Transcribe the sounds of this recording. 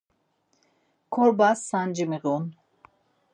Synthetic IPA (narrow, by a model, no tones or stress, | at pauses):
kʰɔɾbasːand͡ʒimiʁun